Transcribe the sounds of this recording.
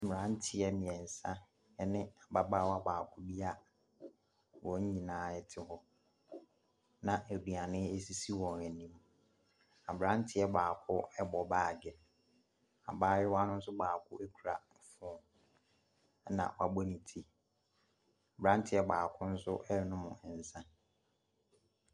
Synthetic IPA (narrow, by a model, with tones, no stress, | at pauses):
m˨ɾã˦n˦tʰɪ˦ɛ˦mɪ̃˨ɛ˨n̩˨sã˦ | ɛ˦nɪ̃˦a˨ba˦ba˦wa˦baː˨kʰʊ˦bi˦a˦ | wɔ̃˨ɲ˦ɲĩ˨nãː˨˦ɛ˨tʰɪ˨hɔ˦ | nã˨ʔæ˨di˨a˨nɪ̃˦e˦si˦si˦wɔ̃˨næ˨nĩ˦m | a˨bɾã˦n̩˦tʰɪ˦ɛ˦baː˨kʰʊ˦ɛ˦bɔ˨baː˨ɡɛ˨ | a̰˨baː˦jɪ˦wa˦nʊ̃˦n̩˦s̬ʊ˦baː˨kʰʊ̰˦ʔæ˦kʰu˨ɾa̰˨ | fɔ˨˦˨ | nã̰˨wa˨bɔ˦nĩ˨tʰi˦ | a˨bɾã˦n˦tʰɪ˨˦ɛ˨baː˨kʰʊ˦n̩˦sʊ˦ʔɛ˦˨nʊ̃˦mʊ̰̃˨n̩˨sã˦